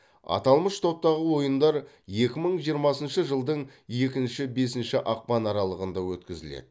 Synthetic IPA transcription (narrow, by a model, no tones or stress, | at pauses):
ɑ̰t̪ɑlˠməʃt̪ʰo̞p̚t̪ɑʁəwo̞jənd̪ɑɾ | je̞kʲɪməɴʒijəɾmɑsənʃəʒəlˠd̪əɴje̞kʲɪnʃɪbe̞sɪnʃɪʔɑq̚pɑnɑɾɑlˠəʁənd̪ɑwɵt̪kʲɪzɪ̰lḛd̪̥ɪ